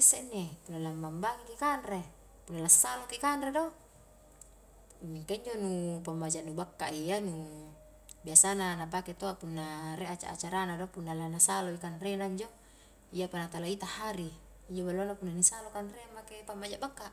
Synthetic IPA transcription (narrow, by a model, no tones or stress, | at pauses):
esːenːepunːalamːambaɡikikanre | punːalasːalokikanredo | miŋkaiɲd͡ʒonupambad͡ʒaʔnubakːaʔijanu | biasananap̬aket̪oaʔpunːaɾeʔat͡ʃa̰ʔat͡ʃaɾanadopunːalanasaloikanrenaiɲd͡ʒo | ijapanat̪alait̪ahaɾi | iɲd͡ʒobalonapunːanisalokanremakepambad͡ʒaʔbakːaʔ